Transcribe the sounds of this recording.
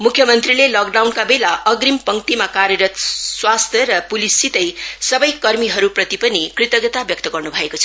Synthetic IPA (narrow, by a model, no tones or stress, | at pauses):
mukʰːjʌmʌnt̪rilelʌk̚ɖawnkabelaʔʌɡɾimpʌŋʈ̪imakaɾjʌɾʌt̪swast̪ʰjʌɾʌpulisːit̪ʌjsʌbʌjkʌrmiɦʌɾuprʌt̪ipʌnikrit̪ʌɡʌt̪abjʌk̚t̪ʌɡʌrnubʱʌekot͡sʰʌ